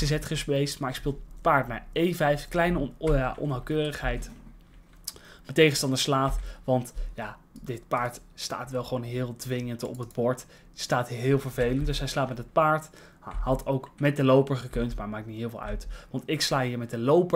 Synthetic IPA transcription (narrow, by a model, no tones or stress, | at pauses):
əzɛtχəspejstmaːɹɪkspɪːlˠpaːɹtnaːɹejvɛjfklɛjnəaʔɔ̰nawkøːrəχɦɛjt | mətejχəstɑndəslaːfʋɑntja | dɪtpaːɹt | sta̰ːtʋɛlˠχəʋownɦɪːlˠdʋɪŋəntɔ̰pɦəd̚bɔɹt | staːtɦɦɪːlˠvəɹvejləntdɵsɦɛjslaːtmɛtɦət̚paːɹt | hɑtowkmɛt̚dəlowpəɹχəkɵntmaːɹmaːk̚nitɦɪːlˠvɪ̰lˠœ̰ɥtʋɑntɪkslaːɦiːɹmɛt̚dəlowpə